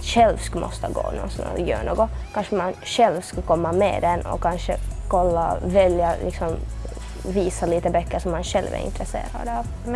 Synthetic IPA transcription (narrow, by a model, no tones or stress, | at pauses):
ɕɛlvskɵmʔɔ̰st̪əɡo̰ːnɔ̰nsɔnjø̰ːɳoːɡɔkʰanʂəmanʂɛlvskakʰɔmːamɛ̰d̪ɛnɔ̰kʰanʂəkʰɔlːavɛljalʔɪksɔm | viːsaliːt̪əbœkːəʂɔmːanʂɛlvɛ̰ɾɪ̰nt̪ʰɾɛsḛːɾa̰d̪ɑv